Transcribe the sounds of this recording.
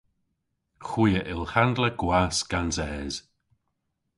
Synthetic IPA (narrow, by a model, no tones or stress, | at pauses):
xwiːəʔɪlˠxandləɡ̥wasɡ̥ansɛːz̥